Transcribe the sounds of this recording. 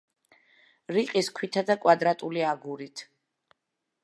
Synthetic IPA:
ɾiqʼiskʰwit̪ʰad̪akʼwad̪ɾat̪ʼuliaɡuɾit̪ʰ

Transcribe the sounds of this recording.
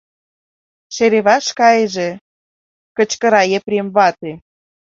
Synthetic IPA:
ʃeɾeβɑʃkɑjəʒĕ | kə̆t͡ɕkə̆ɾɑjepɾʲemβɑt̪e

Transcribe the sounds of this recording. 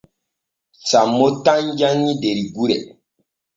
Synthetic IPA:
samːotãɲd͡ʒanideɾiɡuɾɛ̰

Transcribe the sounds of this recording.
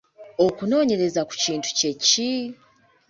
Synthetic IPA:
o̞kuno̞ːɲe̞ɾe̞zaku̥ciːntu̥ce̞ci

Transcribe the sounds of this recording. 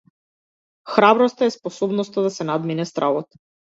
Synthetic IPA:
xɾabɾɔst̪aɛspɔsɔbnɔst̪ad̪asɛnad̪minɛst̪ɾavɔt̪

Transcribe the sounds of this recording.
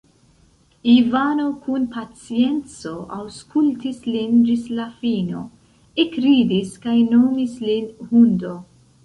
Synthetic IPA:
ivano̞kunpat͡sie̞nt͡so̞awskultislind͡ʒislafino̞̰ | ekɾidiskajno̞mislinhundo̞

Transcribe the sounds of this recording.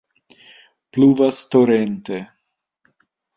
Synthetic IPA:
pluvast̪oɾent̪e

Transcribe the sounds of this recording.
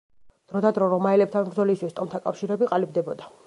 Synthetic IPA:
d̪̥ɾɔd̪ad̪ɾɔɾɔmaɛlɛp̚t̪ʰanbɾd̪zɔlist̪ʰwist̪ʼɔmt̪ʰakʼafʃiɾɛbiqʼalib̚d̪ɛbɔd̪a

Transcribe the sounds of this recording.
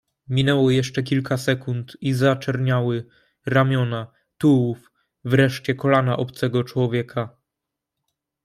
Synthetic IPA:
mʲinɛwɔjɛʂt͡ʂɛkʲilkasɛkunt̪izat͡ʂɛɾɲawɘ | ɾamʲjɔna | t̪uwuf | vɾɛʂt͡ɕɛkɔlanaʔɔpt̪sɛɡɔt͡ʂwɔvʲjɛkʰa

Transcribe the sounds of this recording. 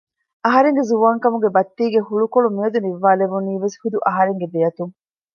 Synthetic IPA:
ɐɦɐɾeŋɡezuʋaːŋkɐmuɡebɐt̪ːiːɡehuɭukoɭumiɐd̪uniʋːaːleʋuniːʋeshud̪uʔɐɦɐɾeŋɡed̪ejɐt̪uŋ

